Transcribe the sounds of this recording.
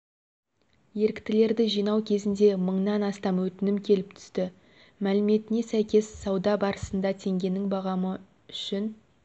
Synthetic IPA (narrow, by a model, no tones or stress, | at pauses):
je̞ɾɪkt̪ɪle̞ɾd̪ɪʒijnɑwkʲʰe̞zɪnd̪e̞məɴnɑnɑst̪ɑmwɵt̪ɪnɪmkʲʰe̞lɪp̚t̪ʰʏ̥st̪ɪ | mælɪme̞t̪ɪne̞sæjkʲe̞sːɑwd̪ɑbɑɾəsənd̪ɑt̪ʰe̞ŋɡʲe̞nɪŋbɑʁɑmə | ʏʃɪn